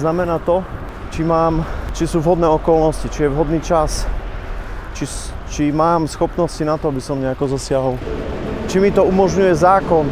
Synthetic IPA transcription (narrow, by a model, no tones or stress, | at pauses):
namɛnaːt̪ɔ | t͡ʃimaːmt͡ʃisuːvɦɔd̪nɛːɔkɔlnɔscit͡ʃijɛʋɦɔd̪niːt͡ʃas | t͡ʃit͡ʃimaːmsxɔpnɔscinat̪ɔabisɔmɲɛakɔzasɪaɦɔlt͡ʃimit̪ɔumɔʒɲujɛzaːkɔn